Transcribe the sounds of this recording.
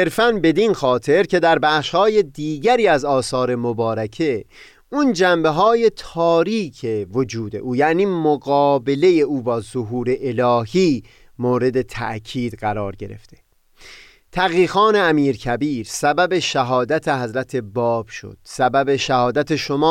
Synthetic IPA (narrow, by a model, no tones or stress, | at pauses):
seɾfænbe̞d̪inxɒːt̪ʰe̞ɾcʰe̞d̪æɾbæχʃhɒːje̞d̪iːɟæɾiːæzɒːsɒːɾe̞mobɒːɾækʰe | und͡ʒæmbe̞ɦɒːje̞t̪ʰɒːɾiːcʰevod͡ʒuːd̪e̞̰ʔuːjæʔniːmoɣɒːbe̞leje̞ʔuːbɒːzoɦuːɾe̞ʔelɒːhiː | moːɾe̞d̪e̞t̪ʰæ̰ʔcʰiːd̪̥ɢæɾɒːɾɟe̞ɾḛft̪ʰe̞ | t̪ʰæɣiːxɒːne̞æmiːɾcʰæbiːɾsæbæbe̞ʃæɦɒːd̪æt̪ʰe̞ɦæzɾæt̪ʰe̞bɒːb̥ʃo̰d̪̥sæbæbe̞ʃæhɒːd̪æt̪ʰeʃo̞mɒː